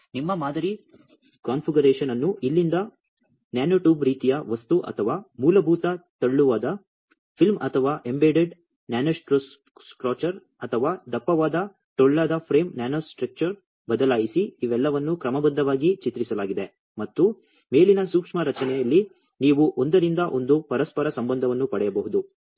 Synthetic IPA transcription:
nimːɐmaːd̪ʱɐɾi | kaːnpʰiɡɐɾeːʂɐnɐnːuʔilːind̪ɐ | njaːnoːʈuːbɾiːt̪ijɐʋɐst̪uʔɐ̰t̪ʰɐʋaːmuːlɐbʱuːt̪ɐt̪ɐɭːuʋaːd̪ɐ | pʰilmɐt̪ʰɐʋaːʔe̞mbeːɖeɖ | njaːnoskɾos | skɾoːt͡ʃɐɾ | ɐt̪ʰɐʋaːd̪ɐpːɐʋaːd̪ɐ | ʈɔɭːaːd̪ɐpʰɾeːmnjaːnosʈɾɐk̚t͡ʃɐɾ | bɐd̪ɐlaːjisiːʋɛlːɐʋɐnːukɾɐmɐbɐd̪ːɐʋaːɡit͡ʃit̪ɾisɐlaːɡid̪e̞ | mɐt̪ːu | me̞ːlinɐsuːkʂmɐɾɐt͡ʃɐnɛjɐlːi | niːʋuʔond̪ɐɾind̪ɐʔo̞nd̪upɐɾɐspɐɾɐsɐmbɐnd̪ʱɐʋɐnːupɐɽɛjɐbɐɦud̪u

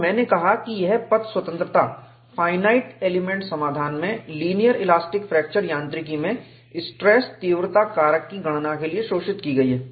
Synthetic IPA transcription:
mɛ̃ːnekɐɦakijɛɦpɐt̪swɐt̪ə̃nt̪ɾət̪a | fʰaːɪnaːɪʈeːlɪmẽɳʈsɐmaːd̪ʱaːnmẽliːnijəɾelaːsʈɪkfɾɛːk̚t͡ʃəɾjãːnt̪ɾɪk̬imẽ | ɪsʈɾɛːst̪iːʋɾt̪akaːɾəkːiɡɐɽ̃nakelieʃoːʃɪt̪kiɡɐiɦɛː

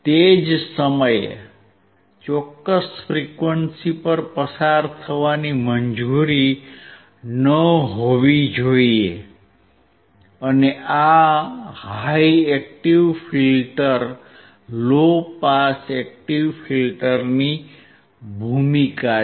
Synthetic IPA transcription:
t̪ed͡ʒsəməj̰ | t͡ʃɔkːəsfɾikʋənsipəɾpəsaɾt̪ʰəʋaniməɲd͡ʒuɾi | nəɦoʋid͡ʒoie | əneʔa | haiɛk̚ʈiʋfʰilʈəɾ | lopasɛk̚ʈiʋfʰilʈəɾni | bʱumika

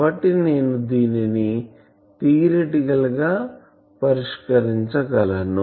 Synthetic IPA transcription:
ɐʈːine̞ːnud̪iːnini | t̪iːɾeʈiɡɐlɡaː | pɐɾiʂkɐɾiɲt͡ʃɐkɐlɐnu

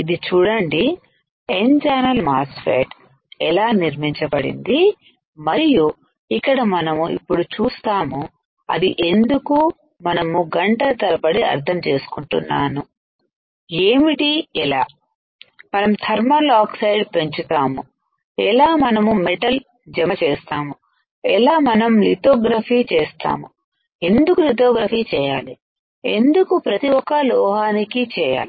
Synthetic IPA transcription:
id̪it͡ʃuːɽɐɳɖi | end͡ʒaːnɐlmaːsfḛːʈ | ɛlaːniɾmiɲt͡ʃɐbɐɽḭnd̪i | mɐɾiju | ikːɐɽɐmɐnɐmuḭpːuɽut͡ʃuːst̪aːmu | ɐ̰d̪iʔe̞nd̪uku | mɐnɐmuɡɐɳʈɐt̪ɐlɐpɐɽiɐ̰ɾt̪ʰɐmt͡ʃe̞ːsu̥kuɳʈṵnːa̰ːnu | eːmiʈiɛlaː | mɐnɐmt̪ʰɐɾmɐlaːksɐjɖpeɲt͡ʃut̪aːmu | ɛlaːmɐnɐmumeʈɐl | d͡ʒɐmɐt͡ʃɛːst̪aːmu | ɛlaːmɐnɐmlit̪oːɡɾɐfʰiːt͡ʃɛːst̪a̰ːmu | e̞nd̪ukulit̪oːɡɾɐfiːt͡ʃɛːjaːli | e̞̰nd̪ukupɾɐt̪iwɔkɐlɔːɦaːnikit͡ʃɛːja̰ːli

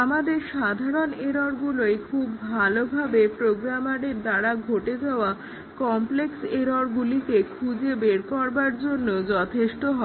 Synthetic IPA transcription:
amad̪eɾʃad̪ʱaɾoneɾoɾɡuloekʰubːʱalobʱabepɾoɡɾamaɽeɾd̪aɽaɡʱoʈed̪eoa | kɔmplekseɾoɾɡulik̪ekʰud͡ʑebeɾkɔɾbaɾd͡ʑonːod͡ʑɔt̪ʰeʃʈoɦɔe

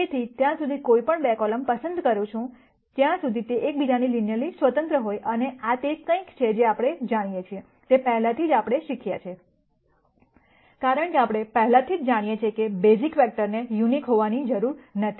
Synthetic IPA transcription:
et̪ʰit̪jãsud̪ʱikojpəɳbɛkɔləmpəsənd̪kəɾũt͡ʃʰũ | t̪jãsud̪ʱit̪eʔek̚bid͡ʒanilinjəlisʋət̪ə̃nt̪ɾəɦojʔəneat̪ekə̃ĩkt͡ʃʰed͡ʒeapɽ̃ed͡ʒaɽ̃ijet͡ʃʰie | t̪epɛɦɛlat̪ʰid͡ʒapɽ̃eʃikʰjat͡ʃʰe | kaɾəɳkeapɽ̃epəɦɛlat̪ʰid͡ʒd͡ʒaɽ̃ijet͡ʃʰiekebezikʋɛk̚ʈəɾnejunikɦoʋanid͡ʒəɾuɾnət̪ʰi

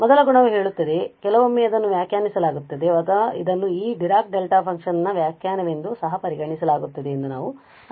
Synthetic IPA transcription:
mɔd̪ɐlɐɡuɳɐʋuɦe̞ːɭut̪ːɐd̪e̞kɛlɐʋomːeːɐd̪ɐnːuʋjaːkjaːnisɐlaːɡut̪ːɐd̪e̞ɐd̪ɐḭd̪ɐnːuiːɖiɾaːk̚ɖelʈaːpʰɐŋkʂɐnɐnːɐʋjaːkjaːnɐʋe̞nd̪usɐɦɐpɐɾiɡɐɳisɐlaːɡut̪ːɐd̪e̞ːnd̪unaːʋu

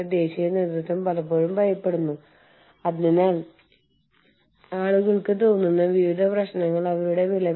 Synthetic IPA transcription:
d̪e̞ːɕijɐneːd̪ɾut̪ːɐmpɐlɐpːo̞ːɻumbɐjɐpːe̞ɽunːu | ɐðninaːn | aːɭuɣɐɭkɨt̪oːnːunːɐʋiʋid̪ʱɐprɐɕnɐŋːɐɭɐʋɐɾuɽe̞ʋilɐ

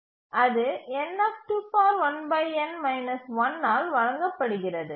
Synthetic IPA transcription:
ʔɐðɯɛnːɐːfʈuːfaːɾʋɐnbɐɪɛnmɐɪnɐsʋɐnːaːlʋɐɻɐŋɡɐpːɐɽɯɣɪrɐðɯ

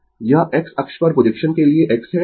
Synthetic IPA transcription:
jɐʔeksɐkʃpɐɾpɾod͡ʒekʃənkelieʔekse

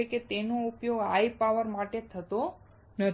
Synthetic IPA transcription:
eket̪enoupjoɡajpaʋəɾmaʈet̪ʰət̪o | nə

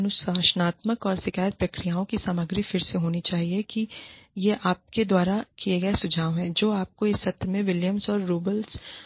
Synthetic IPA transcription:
nʊsaːʃənaːt̪məkɔːɾsɪkaːjət̪̚pɾɐkɾijaːõkisaːməɡɾifɪɾseɦoːnit͡ʃaːɦiekijeʔaːp̚ked̪waːɾakieɡɐesʊd͡ʒʱaːʋɦɛ̃ːd͡ʒoːaːp̚koɪsːɐt̪ɾmẽʋɪljəmsɔːɾːoːbəls

